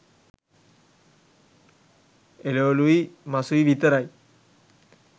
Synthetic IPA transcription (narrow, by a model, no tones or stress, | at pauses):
eleoluimasuiʋit̪əɾaj